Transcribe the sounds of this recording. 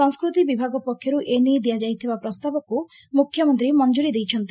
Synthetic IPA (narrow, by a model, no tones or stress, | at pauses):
ɔŋskɾut̪ibibʱaɡɔpɔkʰjɔɾuʔenid̪ijad͡ʒajt̪ʰibapɾɔst̪abɔku | mukʰːjɔmɔnt̪ɾimɔnd͡ʒuɾid̪ejt͡ʃʰɔnt̪i